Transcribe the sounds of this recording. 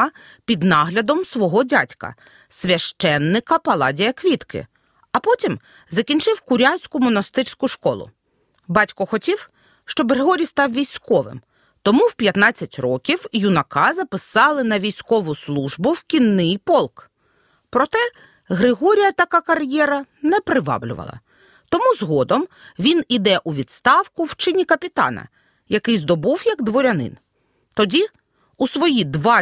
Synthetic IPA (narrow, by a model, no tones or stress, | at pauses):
ɐ | pʲid̪nɑɦlʲɐd̪ɔmsʋɔɦɔdʲatʲkɐ̰ | sʲʋʲɐʃt͡ʃɛnːɪkɐpɐlˠɑ̰dʲijɐkʋʲit̪kɪ̰ | ɐpɔtʲim | zɐkʲinʲt͡ʃɪwkʊɾʲasʲkʊmɔnɐst̪ɪrsʲkʊʃkɔ̰lˠʊ̰ | bɑtʲkɔxɔtʲiw | ʃt͡ʃɔbɣɾeɦɔɾʲijst̪ɑwʋʲijsʲkɔʋɪ̰m | t̪ɔmuwpʲjɐt̪nɑt͡sʲːɐtʲrɔkʲiwjʊnɐkɑzɐpɪsɑlˠɪnɐʋʲijsʲkɔʋʊslˠuʒbʊwkʲinːɪjpɔlˠk | pɾɔt̪ɛ | ɣɾɪɦɔɾʲijɐt̪ɐkɑkɐrjɛɾɐ | nɛpɾɪʋɑ̰blʲʊ̰ʋɐ̰lˠɐ̰ | t̪ɔmuzɦɔd̪ɔmʋʲinid̪ɛʔuʋʲid̪st̪ɑwkʊwt͡ʃɪnʲikɐpʲit̪ɑ̰nɐ̰ | jɐkɪjzd̪ɔbuwjɐɡd̪ʋɔɾʲɐnɪ̰n | t̪ɔdʲi | usʋɔjid̪ʋɑ